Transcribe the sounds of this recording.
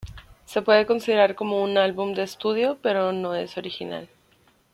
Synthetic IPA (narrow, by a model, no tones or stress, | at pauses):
se̞pwe̞ðe̞ko̞nsiðe̞ɾaɾko̞mo̞unalβumd̪e̞ːst̪uð̞jo̞pe̞ɾo̞no̞e̞̰so̞ɾixina̰l